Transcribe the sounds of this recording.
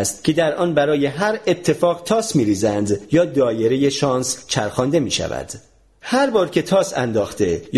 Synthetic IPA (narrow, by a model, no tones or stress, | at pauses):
st̪̚cʰe̞d̪æɾʔɒːnbæɾɒːje̞ɦæɾet̪ʰːe̞fɒːɣt̪ʰɒːsmiːɾiːzænd̪jɒːd̪ɒːje̞ɾe̞je̞ʃɒːnst͡ʃʰæɾxɒːnd̪e̞miːʃæ̰væ̰d̪̥ | hæɾbɒːɾcʰe̞t̪ʰɒːsæ̰nd̪ɒːxt̪ʰe̞j